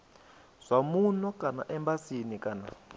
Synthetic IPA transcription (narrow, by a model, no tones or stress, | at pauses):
z̥ʷamunɔkʼana̰ʔɛmbasinikana̰